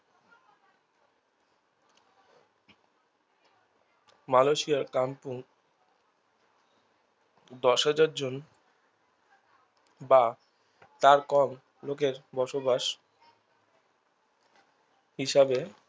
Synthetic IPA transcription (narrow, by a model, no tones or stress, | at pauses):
maloʃiaɾkampuŋ | d̪ɔʃɦad͡ʑaɾd͡ʑon | ba | t̪aɾkɔm | lokeɾbɔʃobaʃ | hiʃabe